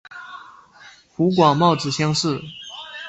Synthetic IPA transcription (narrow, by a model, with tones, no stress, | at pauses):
xu˧˥k̬wɑ˨˩ŋmɑ˥˩ʊt͡sɹ̩˨˩ɕjɑ˥ŋʂɻ̩˥˩